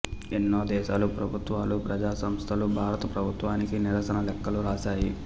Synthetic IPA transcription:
enːoːd̪ɛːʃaːlupɾɐbʱut̪ʋaːlupɾɐd͡ʒaːsɐmst̪ʰɐlubʱaːɾɐt̪ɐpɾɐbʱut̪ʋaːnikiniɾɐsɐnɐlɛkːɐluɾaːʃaːji

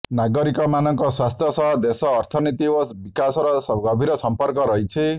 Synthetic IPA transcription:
naɡɔɾikɔmanɔŋkɔswast̪ʰjɔsɔɦɔd̪esɔːɾt̪ʰɔnit̪iobikasɔɾɔɡɔbʱiɾɔsɔmpɔɾkɔɾɔɦit͡ʃʰi

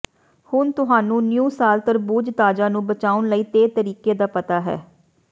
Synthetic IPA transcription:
hʊnt̪ʊɦaːnũːnjuːsaːlt̪əɾbuːd͡ʒt̪aːd͡ʒaːnũːbət͡ʃaːʊnləiːt̪eːt̪əɾiːkeːd̪aːpət̪aːɦɛ̰ː

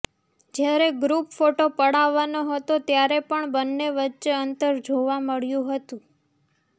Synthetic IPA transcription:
d͡ʒjaɾeɡɾupfoʈopəɽaʋːanoɦət̪ot̪jaɾepəɳbənːeʋətːʃeənt̪əɾd͡ʒʱoʋaməɭjũɦət̪ũ

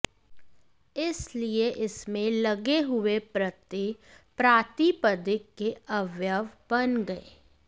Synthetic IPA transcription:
ɪslieʔɪsmẽlɐɡeɦʊepɾɐt̪ipɾaːt̪ipəd̪ɪkːeɐʋjəʋb̥ɐnɡɐḛː

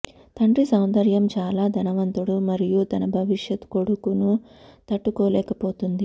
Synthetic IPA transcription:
t̪ɐɳɖɾisɐwnd̪ɐɾjɐmt͡ʃaːlaːd̪ʱɐnɐʋɐnt̪uɽumɐɾijut̪ɐnɐbʱɐʋiʂjɐt̪ko̞ɽukunut̪ɐʈːukɔːlɛːkɐpoːt̪und̪i

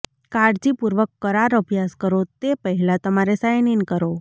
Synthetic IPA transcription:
kaɽd͡ʒipuɾʋəkːəɾaɾəbʱjaskəɾot̪epəɦɛlat̪əmaɾesajninkəɾo

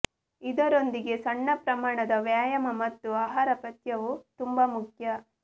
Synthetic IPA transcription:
id̪ɐɾond̪iɡe̞sɐɳːɐpɾɐmaːɳɐd̪ɐʋjaːjɐmɐmɐt̪ːuaːɦaːɾɐpɐt̪jɐʋut̪umbamukʰjɐ

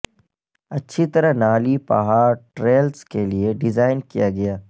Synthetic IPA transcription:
ɐtːʃʰit̪ɐɾaɦnaːlipɐ̰ɦaːɾʈɾeːlskelieɖɪzaːɪnkijaɡɐjaː

